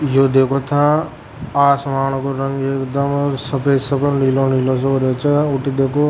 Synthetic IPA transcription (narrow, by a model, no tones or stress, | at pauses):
joːd̪eːkʰot̪ʰã | aːsmaːɳ̃ukoɾɐ̃ŋekd̪ɐmsɐpeːsɐpənliːlonilos̬oɾot͡ʃɐʊʈid̪eːkʰo